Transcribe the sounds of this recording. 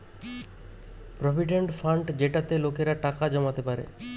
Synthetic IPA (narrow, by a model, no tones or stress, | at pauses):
pɾɔbʱiʈeɳʈfʰaɳɖd͡ʑeʈat̪elokeɾaʈakad͡ʑɔmat̪epaɾḛ